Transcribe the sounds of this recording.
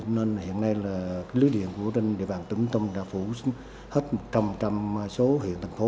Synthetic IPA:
ne˧nhḭ˧˨ənːa˧jlaː˨˩kaː˨˦jli˨˦jɗḭ˧˨ənku˧˩ət͡ɕe˧nɗḭ˧˨əɓaː˨˩nt̪ɨ˧˦ŋt̪ə˧wŋ͡mɗaː˧˦fu˧˩s | he˦˥t̚mo˨˩t̚t͡ɕa˧mt͡ɕa˧m˧so˨˦ɦḭ˧˨ənt̪ʰa˨˩ŋ̟fo˨˦

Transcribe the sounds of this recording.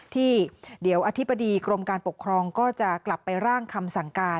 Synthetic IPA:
t̪ʰiː˥˩di˩˦əwʔaː˧t̪ʰi˦˥˩bːa˧diː˧kɾo˧mkaː˧npo˨˩kʰːɾɔː˧ŋkɔː˥˩t͡ɕa˨˩kla˨˩pːa˧jɾaː˥˩ŋkʰa˧msa˩˦ŋkaː˧

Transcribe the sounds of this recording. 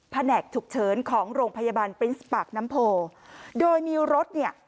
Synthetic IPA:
pʰa˧nɛː˨˩k̚t̪ʰu˨˩k̚t͡ɕʰɤː˩˦nkʰɔː˩˦ŋɾoː˧ŋpʰa˧ja˧baː˧npɾi˦˥nspaː˨˩k̚na˦˥mpʰoː˧doː˧jmiː˧ɾo˦˥t̪̚ni˥˩ɐ

